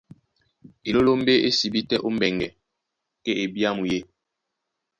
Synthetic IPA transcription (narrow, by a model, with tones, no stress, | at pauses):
e˨lo˦lo˦m˦be˦e˦si˨bi˦tɛ˦ʔu˦m˦bɛ˨ŋɡɛ˨ | kɛ˦ʔe˨bja˦mu˨je˦